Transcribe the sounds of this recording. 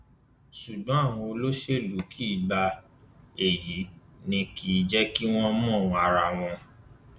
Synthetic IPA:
ʃu˨ɡ͡bɔ̃˨˦a˦˨w̃ɔ̃˧o˧lo˦ʃe˦˨lu˨˦kʰi˦˧ɡ͡ba˧ | e˨ji˨˦nĩ˧ki˧˨d͡ʒɛ˦ki˦w̃ɔ̃˦mɔ̃˦˨wɔ̃˧a˧ɾa˧˨w̃ɔ̃˧

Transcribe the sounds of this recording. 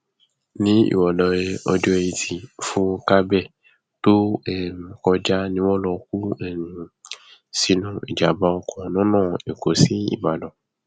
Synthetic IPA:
nĩ˦ḭ˨wɔ˨lɔ̃˨e˧ɔ˧d͡ʒo˦e˧i˧tʰi˨fũ˦ka˦bɛ˦˨ | to˦ɛ̃˦˨kɔ˧d͡ʒa˦nĩ˧˦wɔ̃˦lɔ˧k̚u˦ɛ˦˨nũ˨ | si˦nũ˦ḭ˨d͡ʒa˨ba˧˦ɔ˧kʰɔ̃˧nɔ̃˦nãː˦˨e˨ko˨si˦ḭ˦˨ba˨dɔ̃˨

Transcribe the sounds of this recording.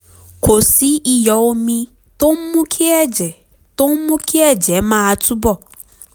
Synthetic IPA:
ko˨si˦ʔi˦˧jɔ˨wo˧mĩ˧ | to˦m̩˦mũ˦kʰi˦ɛ˦˨d͡ʒɛ˨ | to˦m̩˦mũ˦kʰi˦ɛ˦˨d͡ʒɛ˨˦mã˦a˧tu˦bɔ˦˨

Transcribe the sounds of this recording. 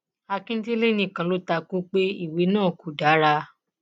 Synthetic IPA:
a˧kĩ˦ti˦le˦nĩ˦˨kã˨˦lo˨˦ta˧kũ˦k͡pe˦i˦˨we˨˦nãː˦˨ku˨da˨˦ɾa˧

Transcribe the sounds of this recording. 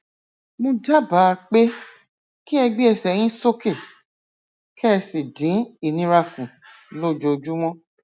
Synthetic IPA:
mõ˧d͡ʒa˦ba˨˦˧k͡pe˦ | ki˦ɛ˧ɡ͡bi˦ɛ˧˨sɛ˨j̃ĩ˦so˦ke˦˨ | kʰɛ˦˧si˨dĩ˨˦i˦˨nĩ˦ɾa˧kũ˨ | lo˦˨d͡ʒo˧d͡ʒu˦w̃ɔ̃˦

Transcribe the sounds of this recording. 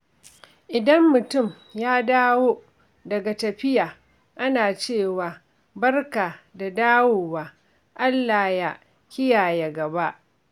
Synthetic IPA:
ʔɪ˨dɐ˦mːʊ˨tʊ˦˨m | jaː˦daː˦woː˦ | dɐ˨ɡa˨tɐ˨ɸɪ˦jaː˨ | ʔa˦naː˨t͡ʃeː˦˨waː˨ | bɐ˦rkaː˨da˨daː˦woː˨waː˦ | ʔa˦lːaː˨ja˦ | kʲɪ˦jaː˨ja˨ɡɐ˨ba˦ʔ

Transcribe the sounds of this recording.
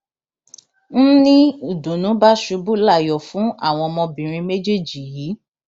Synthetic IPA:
n̩˦nĩ˦u˦˨dũ˨nũ˨˦ba˦ʃu˧bu˦la˦˨jɔ˨fũ˨˦ʔa̰˦˨w̃ɔ̃˧mɔ̃˧bĩ˨ɾ̃ĩ˧me˦d͡ʒe˦˨d͡ʒi˨jiː˨˦

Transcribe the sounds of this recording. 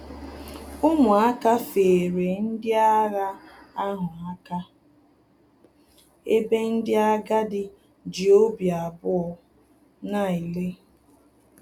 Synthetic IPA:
ʊ˦mʊ˨a˦ka˦fe˨ɾe˨n̩˦dɪ˦a˦ɾa˦a˦ɦʊ˨a˦ka˦ | e˦be˦n̩˦dɪ˦a˦ɡa˦dɪ˦ | d͡ʒi˨o˦bja˨a˨bʊ˦ɔ˦ | na˦˨i˨le˦

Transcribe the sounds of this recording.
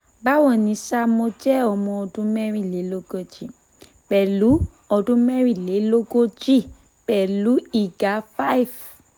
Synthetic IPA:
ba˦wɔ̃˦˨nĩ˨˦sa˦mo˧˦d͡ʒɛ˦ɔ˧mɔ̃˧ɔ˧dũ˦mɛ˦ɾĩ˦˨le˨˦lo˦ɡo˦d͡ʒi˦ | bɛ˨lu˨˦ | ɔ˧dũ˦mɛ˦ɾĩ˦˨le˨˦lo˦ɡo˦d͡ʒi˦˨ | b̥ɛ˨lu˨˦i˦˨ɡa˨˦fa˦i˨f

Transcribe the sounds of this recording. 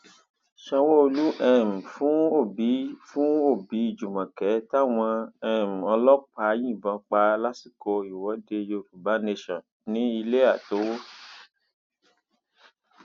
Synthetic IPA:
ʃã˧wo˦o˧lu˦ʔɛ˦˧˨m̩˨fũ˦o˦˨bi˨˦fũ˦o˦˨bi˨˦i˦˨d͡ʒu˨mã˨kɛ˨˦ta˦˨w̃ɔ̃˧ɛ˦˨m̩˨ɔ˧lɔ˦k͡pa˧˦j̃ĩ˦˨bã˨˧˦k͡pa˧la˦si˦˨ko˧i˨wɔ˨˦de˧jo˧˨ɾu˨ba˨˦ne˧ʃɔ̃˨ | nĩ˦i˧le˦a˦˨to˨˦wo˦

